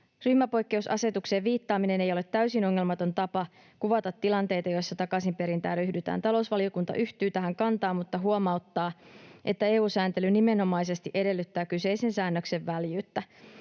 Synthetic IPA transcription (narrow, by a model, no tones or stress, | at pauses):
ryhmæpo̞jkːe̞usɑ̰se̞t̪ukse̞ʋʋiːt̪ːɑːmine̞ne̞jo̞let̪ːæysino̞ŋːe̞lmɑt̪o̞nt̪ɑpɑ | kuʋɑt̪ɑt̪ːilɑnt̪e̞jt̪ɑjo̞jsːɑt̪ɑkɑsimpe̞ɾint̪æ̰ːryhdyt̪æ̰ːnt̪ɑlo̞usʋɑlio̞kunt̪ɑ̰ʔyht̪yːt̪æɦæŋkɑnt̪ɑːmmut̪ːɑɦuomɑut̪ːɑːʔe̞t̪ːæe̞ːuːsæːnt̪elynime̞no̞mɑjse̞st̪iʔe̞de̞lːyt̪ːæːkyse̞ise̞nsæːnːøkse̞ʋːæljyːt̪ːæ